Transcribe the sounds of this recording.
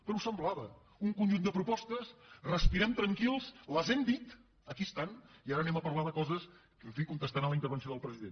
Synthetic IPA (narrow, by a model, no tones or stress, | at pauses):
pɾuwsəmblaβə | uŋkunʒund̪əpɾupɔst̪əsrəspiɾɛmt̪ɾəŋkilˠsləzɛmd̪it̪ | əkiəst̪aniaɾənɛməpəɾlaðəkɔzəs | kəɱfikunt̪əst̪anəmləint̪əɾβ̞ənsioðəlˠpɾəziðen